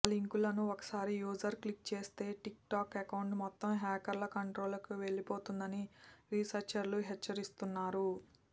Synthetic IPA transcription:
liŋkulɐnuɔkɐ̥saːɾijuːd͡ʒɐɾklik̚t͡ʃe̞ːst̪e̞ːʈik̚ʈaːkekɐwɳɖmɔt̪ːɐmɦɛːkɐɾlɐkɐɳʈɾo̞ːlɐkuʋe̞ɭːipo̞ːt̪und̪ɐniɾisɐɾt͡ʃɐɾluɦɛt͡ʃːɐɾist̪unːaːɾu

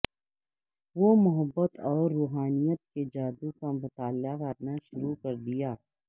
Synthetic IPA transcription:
ʋomʊɦəbːət̪ɔːɾːuːɦaːnijət̪̚ked͡ʒaːd̪ukamʊt̪aːljakɐɾnaʃʊɾukɐɾd̪ijaː

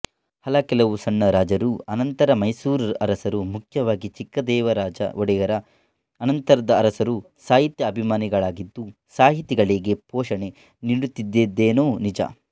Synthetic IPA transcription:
hɐlɐkɛlɐʋusɐɳːɐɾaːd͡ʒɐɾuɐnɐnt̪ɐɾɐmɐjsuːɾɐ̰ɾɐsɐɾumukʰjɐʋaːɡit͡ʃikːɐd̪ɛːʋɐɾaːd͡ʒɐ̰ʔɔɽɛjɐɾɐː | nɐnt̪ɐɾɐd̪ɐːɾɐsɐɾu | saːɦit̪jɐːbʱimaːniɡɐɭaːɡid̪ːu | saːɦit̪iɡɐɭeːɡe̞pɔːʂɐɳe̞ | niɽut̪ːid̪ːed̪ːeːnoːnid͡ʒɐ̰

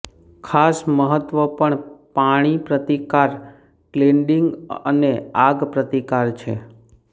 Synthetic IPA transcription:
kʰasməɦət̪ʋəpəɳpaɽ̃ipɾət̪ikaɾ | kleɳɖiŋɡəneaɡpɾət̪ikaɾt͡ʃʰḛ

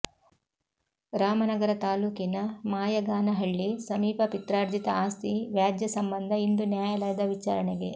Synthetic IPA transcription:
ɾaːmɐnɐɡɐɾɐt̪aːluːkinɐmaːjɐɡaːnɐɦɐɭːisɐmiːpɐpit̪ɾaːɾd͡ʒ̪it̪ɐaːst̪ʰiʋjaːd̪jɐsɐmbɐnd̪ʱɐind̪unjaːjɐlɐjd̪ɐʋit͡ʃaːɾɐɳeɡe̞

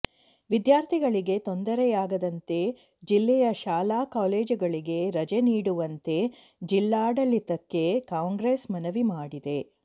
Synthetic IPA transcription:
ʋid̪jaːɾt̪ʰiɡɐɭiɡe̞t̪o̞nd̪ɐɾɛjaːɡɐd̪ɐnt̪e̞ | d͡ʒilːɛjɐʃaːlaːkaːleːd͡ʒuɡɐɭiɡe̞ɾɐd͡ʒeniːɽuʋɐnt̪e̞ | d͡ʒilːaːɽɐlːit̪ɐkːe̞kaːŋɡɾesmɐnɐʋimaːɽid̪e̞

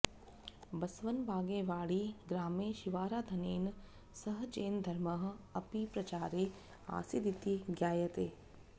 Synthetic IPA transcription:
bɐsʋɐnbʱaːɡẽːʋaːɽiɡɾaːmẽːʃiʋaːɾaːd̪ʱɐneːn | sɐɦt͡ʃeːnd̪ʱɐɾmɐɦ̆ɐpipɾɐt͡ʃaːɾeː | a̰ːsid̪ʱit̪iɡjaːjɐt̪eː

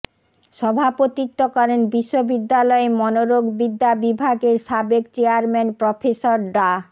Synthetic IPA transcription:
ʃɔbʱapot̪it̪ːokɔɾenbiʃːobid̪ːalɔemɔnoɾoɡbid̪ːabibʱaɡeɾʃabekt͡ɕeaɾmɛnpɾofʰesoɾɖa

